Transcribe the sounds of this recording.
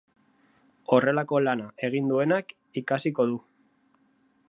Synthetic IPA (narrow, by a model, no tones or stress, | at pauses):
o̞re̞lako̞lanae̞ɣ̞ind̪ue̞nak | ikasiko̞ðu